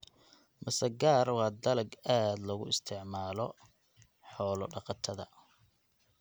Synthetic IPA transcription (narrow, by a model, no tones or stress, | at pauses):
mɐsɐɡaːɾwɑːd̪ɐlɐɡaːd̪lɐɣʊ̰ɪst̪ʰɪʕmaːlɔ | ħɔːlɔɖɑqɑt̪ʰɐðɐ